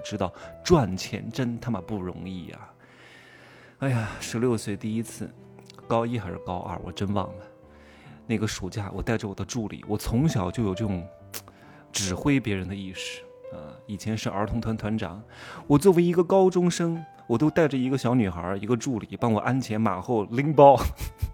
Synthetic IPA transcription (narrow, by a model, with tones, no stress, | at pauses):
ʈ͡ʂɻ̩˥t̪ɑ˥˩ʊʈ͡ʂwa˥˩nt͡ɕʰjɛ̰˧˥nʈ͡ʂə˥nt̪ʰa˥mə˨pu˥˩ɻʊ̰˧˥ŋi˥˩ɐ̰˨˩ | a˥˩ɪja˨˩ʂɻ̩˧˥ljo˥˧ʊswe˥˩ɪt̪i˥˩i˥t͡sʰɹ̩˥˩ | kɑ˥ʊi˥˩xa˧˥ɪʂɻ̩˥˧kɑ˥ʊʔɐ̰˥˧˩wɔ̰˨˩ʈ͡ʂə˥nwɑ̰˥˩ŋlə˩ | na˥˩ɪɡə˩ʂu˨˩t͡ɕja̰˥˩wɔ˨˩t̪a˥˩ɪʈ͡ʂə˩wɔ˨˩d̪ə˦ʈ͡ʂu˥˩lḭ˨˩˦wɔ˨˩t͡sʰʊ˧˥ŋɕjɑ˨˩ʊt͡ɕjʊjo˨˩ʊʈ͡ʂɤ˥˧˩ʈ͡ʂʊ˧˥˩ŋ | ʈ͡ʂɻ̩˨˩xwe˥ɪpjɛ˧˥ɻə˧˥nd̪ə˧i˥˩ʂɻ̩̥˨˩ | ɐ̰˧i˨˩t͡ɕʰjɛ˧˥nʂɻ̩˥˩ʔə˞˧˥t̪ʰʊ˧˥ŋt̪ʰwa˧˥nt̪ʰwa˧˥nʈ͡ʂɑ̰˨˩˦ŋwɔ˨˩t͡swɔ˥˩we˧˥ɪi˧˥ɡə˧kɑ˥ʊʈ͡ʂʊ˥ŋʂɤ˥ŋ | wɔ˨˩t̪o˥ʊt̪a˥˩ɪʈ͡ʂə˩i˧˥ɡə˧ɕjɑ˧˥ʊny˨˩xə̰˞˧˥i˧˥ɡə˧ʈ͡ʂu˥˩li˨˩pɑ˥ŋwɔ˨˩ʔa˥nt͡ɕʰjɛ˧˥nma˨˩xo˥˩ʊli˥ŋpɑ˥ʊ